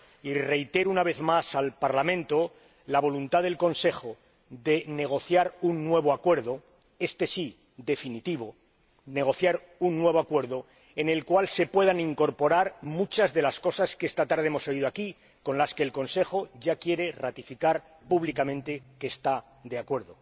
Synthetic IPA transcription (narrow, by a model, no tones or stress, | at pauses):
ire̞jt̪e̞ɾunaβe̞θmasalpaɾlamẽ̞nt̪o | laβ̞o̞lunt̪aðe̞lko̞nse̞xo | ðe̞ne̞ɣ̞o̞θjaɾunːwe̞β̞o̞akwe̞ɾðo̞ | e̞st̪e̞si | ðe̞finit̪iβo̞ | ne̞ɣ̞o̞θjaɾ | unːwe̞β̞o̞akwe̞ɾðo | e̞ne̞lkwalse̞pwe̞ð̞aniŋko̞ɾpo̞ɾaɾmut͡ʃazðe̞lasko̞saskeest̪at̪aɾð̞eemo̞so̞iðoaki | ko̞nlaske̞ːlko̞nse̞xo̞ʝakje̞ɾe̞rat̪ifikaɾ | puβlikamẽ̞nt̪e̞keːst̪a | d̪eakwe̞ɾðo